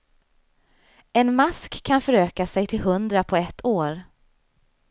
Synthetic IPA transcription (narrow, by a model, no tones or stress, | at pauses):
ɛnmaskʰːanfœɾøːkasɛjt̪ʰɪlɦɵnd̪ɾapʰɔɛt̪ʰːoːɾ